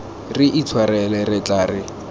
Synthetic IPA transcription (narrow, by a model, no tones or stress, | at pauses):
riʔit͡sʰwaɾɛlɛrɪt͡ɬʼaːrɪ